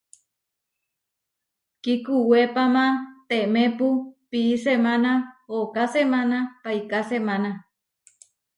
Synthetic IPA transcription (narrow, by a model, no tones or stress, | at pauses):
kikuwepamãt̪emepupiːsemãnaokasemanapajkasemãna